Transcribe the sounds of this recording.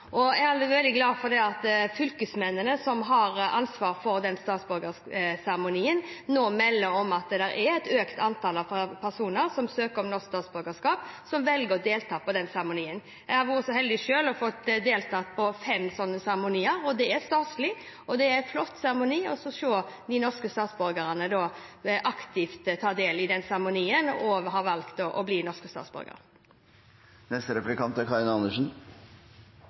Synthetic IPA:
ʔɔæɑld̪ɪʋɛld̪ɪɡlɑːfɔɾd̪ɛɑt̪fʏlkəsmɛnːənəsɔmɦɑɾʔɑnsʋɑːɾfɔɾd̪ɛnst̪ɑːt̪sbʉɾɡə | sæɾəmʊniːənnoːmɛlːəɾɔmɑt̪̚d̪d̪ɛɾʔɛɛt̪øːkt̪ʰɑnt̪ʰɑlɑppʰæɾsuːnəɾsɔmsøːkəɾɔmnɔskst̪ɑːt̪sbʉɾɡəskɑːpsɔmʋɛlɡəɾɔd̪eːlt̪ʰɑːpɔd̪ɛnsæɾəmʊniːən | jæɪhɑɾʋʊɾəsɔɦɛld̪ɪʃøːlɔfɔt̪ːd̪eːlt̪ʰɑːt̪pʰɔfɛmsɔnːəsæʁmʊniːəɾɔd̪ɛæɾst̪ɑːt̪slɪ | ɔd̪ɛææflɔt̪ːsæʁəmʊniːɔsɔʂoːd̪ɪnɔʁskəst̪ɑːt̪sbɔɾɡəɾənəd̪oːʔɑkt̪ɪft̪t̪ʰːɑːd̪eːlɪd̪ɛnsæʁmʊniːənɔɦɑːʋɑlkt̪ɔʔɔbliːnɔʁʂkəst̪ɑ̰t̪sbɔ̰ɾɡə̰ɾ | nɛst̪əɾɛplɪkʰɑnt̪æɾkʰɑɾɪnɑnːəʂn̩

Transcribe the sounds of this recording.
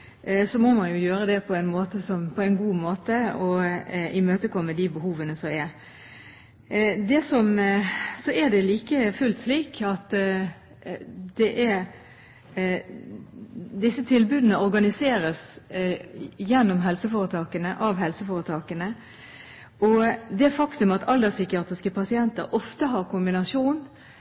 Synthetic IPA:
sɔmɔmɑnjʊjøːɾəd̪ɛpʰɔæɪnmoːt̪əsɔmpʰɔæɪnɡuːmoːt̪əɔʔɪmøːt̪əkʰɔmːəd̪ɪbəhuːʋənəsɔmɛɾ | d̪ɛsɔmsɔæd̪ɛliːkəfʉlt̪sliːkʰɑt̪ | d̪ɛʔæɾ | d̪ɪsːət̪ʰɪlbʉːd̪ənəɔɾɡɑnɪseːɾəs | jɛnːɔmɦɛlsəfoːʁət̪ʰɑːkənəʔɑʋɦɛlsəfoːɾət̪ʰɑːkənə | ɔd̪ɛfɑkt̪ʉmɑt̪ʰɑld̪ɑsʏkɪɑːt̪ʁɪskəpʰɑsɪɛnt̪əɾʔɔft̪əɦɑʁkʰʊmbɪnɑʂuːn

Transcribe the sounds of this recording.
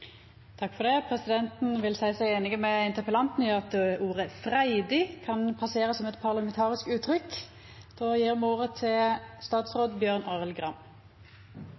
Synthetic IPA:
t̪ʰɑkːfɔʁd̪ɛpʰʁɛsɪd̪ɛnt̪n̩ʋɪlsæɪsæɪeːnɪɡəmɛɪnt̪əpəlɑnt̪nɪɑt̪uːʁəfʁæɪd̪ɪkʰɑnpʰɑseːʁəsɔmɛt̪pʰɑʁlɑmɛnt̪ʰɑːʁɪskʉːt̪ʰʁʏk | d̪̥oːjiːʁmuːʁət̪ʰɪlst̪ɑːt̪sʁoːd̪bjøːʁnɑːʁəlɡʁɑm

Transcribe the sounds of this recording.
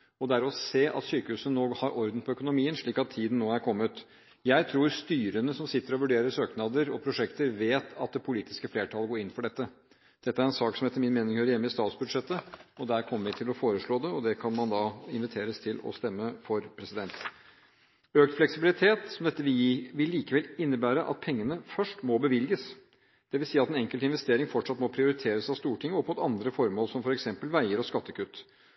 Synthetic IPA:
ɔd̪æɾɔseːʔɑ̰t̪syːkəhʉːsənoːɡhɑɾʔɔɾd̪n̩pʰɔœkʊnʊmiːənʂɭiːkɑt̪ʰːiːd̪ən̩nːoːæɾkʰɔmːət̪ | jæɪt̪ʰɾuːɾst̪yːɾənəsɔmsɪt̪ːəɾɔʋʉɖeːɾəsøːknɑd̪əɾɔpʰɾʊʂɛkt̪əɾʋeːt̪ɑt̪̚d̪ɛpʰʊliːt̪ɪskəfleːʈʰɑləɡoːɾɪnfɔɖɛt̪ːə | d̪̥ɛt̪ːəæɾɛnsɑːksɔmheːt̪əɾmɪnmeːnɪŋhøːɾəjɛmːəɪst̪ɑːt̪sbʉd̪ʂɛt̪ːəɔd̪æɾkʰɔmːəɾʋɪt̪ʰɪlɔfoːɾəʂɭoːd̪ɛɔd̪ɛkʰɑnmɑnd̪ɑɪnʋɪt̪ʰeːɾəst̪ʰɪlɔ̰st̪ɛmːəfɔɾpʰɾɛsɪd̪ɛnt̪ | øːkt̪flɛksɪbɪlɪt̪ʰeːt̪sɔmd̪ɛt̪ːəʋɪʋɪlːiːkəʋɛlɪnːəbæːɾəʔɑ̰t̪̚pʰɛŋːənəfœʂʈmɔbəʋɪlɡəs | d̪̥ɛʋɪlsiːəɑt̪ɛːnɛŋkəlt̪ɪnʋɛst̪eːɾɪŋfɔʈʂɑt̪mɔpʰɾɪʊɾɪt̪ʰeːɾəsɑʋst̪uːʈʰɪŋːəɔpmut̪ɑnd̪ɾəfɔɾmoːlsɔmfɔɾɛksɛmpəlʋæɪəɾɔskɑt̪ːəkʰʉt̪ː

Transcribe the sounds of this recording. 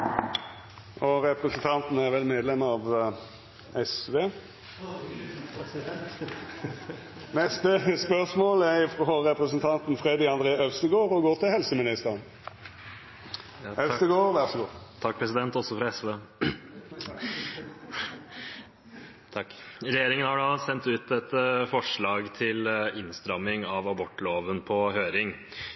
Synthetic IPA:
ɔɾɛpɾəsənt̪ʰɑnt̪n̩əæʁʋɛlmeːd̪lɛməɑːʋ | ɛsʋeː | nɛst̪əspœʁʂmoːlɛfʁɔɾɛpʁəsən̩t̪ʰɑnt̪n̩fʁeːd̪ɪɑnd̪ʁeːœʋst̪əɡoːʁɔɡoːʁt̪ʰɪlhɛlsəmɪnɪst̪əʁən | œt̪əɡoːʁʋæʁsɔɡoːʁt̪ʰɑk̚ːpʰɾɛsɪd̪ɛnt̪ɔsɔfɾɑɛsʋeː | t̪ʰɑkːɾɛjeːɾɪŋənhɑɖɑsɛnt̪ʉːt̪ɛt̪fɔʂɭɑːɡt̪ʰɪlɪnst̪ɾɑmːɪŋɑʋɑbɔʈːloːʋənpʰɔhøːɾɪŋ

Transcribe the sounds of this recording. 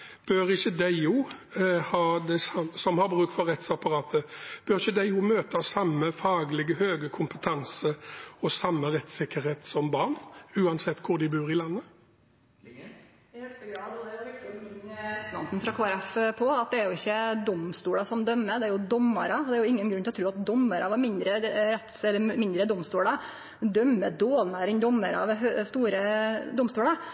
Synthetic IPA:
b̥øɾɪçːəd̪æɪuːhɑːd̪ɛsɑmsɔmhɑɾbɾʉːk̚t̪fɔɾʁɛt̪sɑpɑɾɑːt̪ʰəb̥øʁɪçːəd̪æɪuːmøːt̪ɑsɑmːəfɑːɡlɪɡəhøːɡəkʰʊmpət̪ʰɑnsəɔsɑmːəʁɛt̪sɪkːəɾheːt̪sɔmbɑʁɳʉːɑnsɛt̪ːkʰʊʁd̪ɪbʉːʁɪlɑnːə | ɪhɛlst̪əɡɾɑːd̪ɔd̪ɛæjʊʋɪɾkt̪ɪɪənɛsnɑ̰nt̪n̩fɾɑkʰoːæɾɛfpʰɔɑt̪̚d̪ɛæɾjʊɪçːəd̪ɔmst̪uːlɑsɔmd̪œmːəd̪ɛæɾjʊd̪ɔmːɑ̰ɾɑɔd̪ɛæɾjʊɪŋːənɡɾʉnːt̪ɔt̪ɾʉːɑt̪̚d̪ɔmːəɾɑʋɑɾmɪnd̪ɾəɾɛt̪sɛlːəɾmɪnd̪ɾəd̪ɔmst̪uːɽɑ | d̪œmːəd̪oːlnæːɾɪnd̪ɔmːəɾɑ̰ʋɦst̪uːɾəd̪ɔmst̪uːlɑ

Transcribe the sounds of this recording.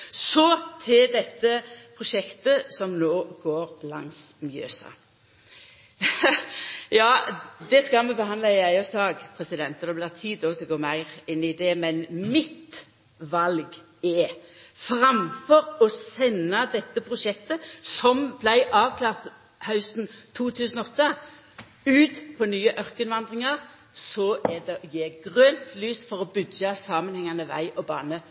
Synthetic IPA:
sɔt̪ʰɪld̪ɛt̪ːəpʰʁʊʃɛkt̪əsɔmnoːɡoːʁlɑ̰ŋsmjø̰ːsɑ̰ | jɑːd̪ɛskɑlmɛbəhɑnlɑɪæɪɑsɑːɡpʰʁɛsɪd̪ɛnt̪ɔd̪ɛblɪːʁt̪ʰiːd̪ɔt̪ʰɪlɡoːmæɪʁɪnːɪd̪ɛmɛnmɪt̪ | ʋɑlɡ | ɛfɾɑmfɔɾɔsɛnːɑd̪ɛt̪ːəpʰʁʊʃɛkt̪əsɔmblæɪʔɑːʋkʰlɑːʁt̪ | hɑʉsnt̪ʰuːt̪ʰʉːsənɔt̪ːə | ʉːt̪pʰɔnyːəʔœʁkənʋɑnd̪ʁɪŋɑʁ | sɔʔɛd̪ɛɔjeːɡʁœnt̪lyːsfɔʁɔbʉdɑsɑːmənhɛŋːɑnəʋæ̰ɪʔɔbɑ̰ːnə

